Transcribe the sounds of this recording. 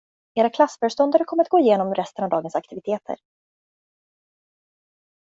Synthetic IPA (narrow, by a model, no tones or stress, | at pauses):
eːɾakʰlasːfœːɾʂt̪ɔnd̪aɾəkʰɔmːəɾat̪ɡoːɪjeːnɔmɾʔɛst̪ənavd̪ɑːɡənsak̚t̪ɪvɪt̪ʰeːt̪ʰə̰ɾ